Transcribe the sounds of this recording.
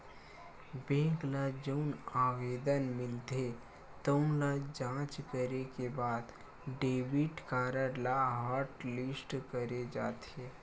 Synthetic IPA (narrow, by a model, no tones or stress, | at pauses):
bẽːɡlad͡ʒənaːʋeːd̪ənmɪlt̪e | t̪əũlad͡ʒãːt͡ʃkəɾekebaːd̪ | ɖeːbɪʈkaːɾəɾlaɦaːɾʈlɪsʈkəɾed͡ʒaːt̪eː